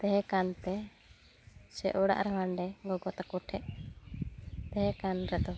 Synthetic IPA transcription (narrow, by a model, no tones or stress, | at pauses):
t̪ɛɦɛ̃kant̪ɛ | sɛʔɔɽa̰ʔɾɛwanɖɛɡɔɡɔt̪akuʈʰɛʔ | t̪ɛɦɛ̃kanɾɛd̪ɔ